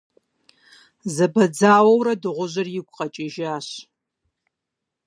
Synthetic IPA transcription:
zɐbɐd͡zaːwɐwɾɐdɨʁʷʊʑɐrjɪɡʷʼqʼɐt͡ʃʼɪʒaːɕ

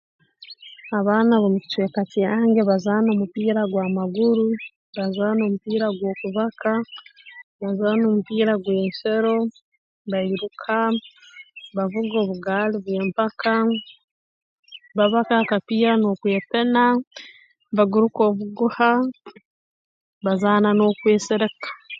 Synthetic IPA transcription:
aβaːnaβomuki̥twe̞ːkatjaːŋɡeβazaːno̞ːmupiːɾaɡwaːmaɡuɾu | βazaːno̞mupiːɾaɡwo̞ːkuβakʰa | βazaːno̞ːmupiːɾaɡweːnseɾo̞ | βaiɾukʰa | βavuɡo̞ːβuɡaːliβwe̞ːmpaka | βaβakakapiːɾano̞kwe̞ːpe̞na | βaɡuɾuko̞ːβuɡuha | βazaːnano̞ːkwe̞ːseɾe̞kḁ

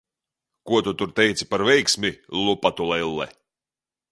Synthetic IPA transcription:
kuɔt̪ut̪uɾt̪ɛjt̪si̥paɾvɛjksʲmʲilˠupat̪ulˠɛilˠːɛ̰

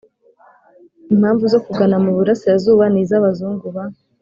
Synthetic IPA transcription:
imhaːɱvuzo̞kuɡanamuβuɾasijazuːβaniːzaβazuːŋɡuβa

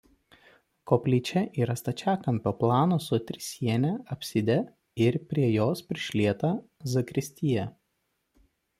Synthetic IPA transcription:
koːpʲlʲiːt͡ʃʲɛʔiːɾɐst̪ɐt͡ʃʲæːkɐmʲpʲoplˠɑːnoːsʊt̪ʲɾʲɪsʲiɛnʲɛɐpʲsʲɪd̪ʲɛ | ɪɾpʲɾʲiɛjoːspʲɾʲɪʃʲlʲiɛt̪ɐzɐkɾʲɪsʲt̪ʲɪjɛ

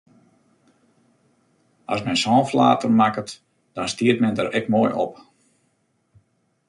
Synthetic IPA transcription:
ɑ̰smɛnsɔːnfla̰ːtərmakət | d̥ɔnstiət̚mɛndəɾɛkmoːjʔɔ̰p

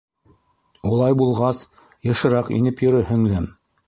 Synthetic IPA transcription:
ulˠɑjbulˠʁɑs | jɤ̆ʃɤ̆ɾɑqḭnɘpjɵ̆ɾɵɦɘ̆ŋlæm

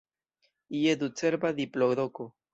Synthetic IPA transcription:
ied̪ut͡seɾbad̪iploɡɾoko

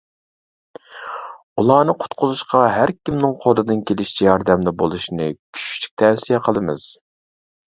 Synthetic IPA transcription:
ulˠɑːnɨqʰʊ̥t̪qʰʊzuʃqɑɦæɾkʲimnɨŋqʰolˠɨd̪ɨnkʲʰelɪʃt͡ʃʰɛjɑɾd̪ɛmlɪbolˠuʃinɨ̰kʲʰy̥ʃy̥t͡ʃʰy̥k̚ʲt̪ʰɛwsijɛqʰəlˠɨmɨz̥

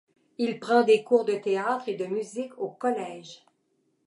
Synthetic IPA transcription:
ilpʁɑ̃d̪ekuːʁd̪ət̪eaːt̪χed̪əmyzikʰokɔlɛːʒ

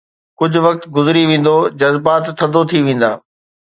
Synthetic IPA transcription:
kʊd͡ʑʱʊʋɐk̚t̪ɡʊzɪɾiʋẽːn̆d̪od͡ʑɐzbaːt̪ʰːɐ̃nd̪ot̪ʰiʋẽːn̆d̪a̰ː

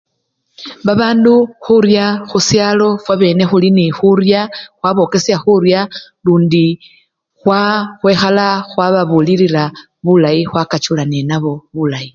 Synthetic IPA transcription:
βaβaːnduxuɾjaxusjaːlo̞fwaβe̞ne̞xulinixuɾjaxwaβo̞ːke̞sjaxuɾja | luːndi | xwaxwe̞ːxalaxwaβaβuliɾila | βulaixwakat͡ʃulanenaβo̞βulai

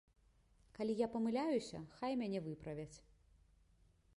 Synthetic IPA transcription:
kalʲijapɐmɨlʲajusʲɐ̰xajmʲanʲɛvɨpɾɐvʲɐt͡sʲ

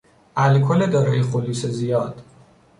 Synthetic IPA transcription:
ʔælkʰoled̪ɒːɾɒːjexoluːsezijɒːd̪̥

